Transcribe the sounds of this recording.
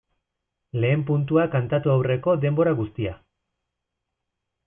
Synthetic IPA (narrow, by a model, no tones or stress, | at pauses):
le̞ːmpunt̪̬uakant̪at̪uawre̞ko̞d̪e̞mbo̞ɾaɣust̪ia